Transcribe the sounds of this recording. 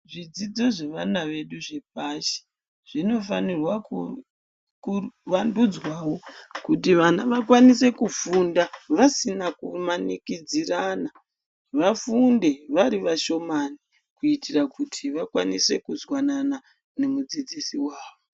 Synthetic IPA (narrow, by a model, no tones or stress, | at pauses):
ʐid͡zid͡zo̞ʐe̞ʋanaʋe̞ɗuʐe̞p̚aʃe̥ | ʐ̥ino̞fanirwaku | kuʋandud͡zwawo̞kutiʋanaʋakwanise̞kufundaʋasinakumanikid͡ziraːna | ʋafunde̞ʋaɾiʋaʃo̞mani | kuitʰirakutʰiʋakwa̰nise̞kuzwanana | ne̞mud͡zid͡zisiwaːʋo